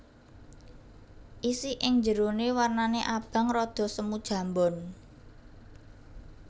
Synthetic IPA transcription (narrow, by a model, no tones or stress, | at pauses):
ʔisiʔɪŋɲd͡ʒəɾonewarnaneʔab̥a̤ŋrɔd̪̥ɔ̤səmud̥ʒ̥ä̤mbɔn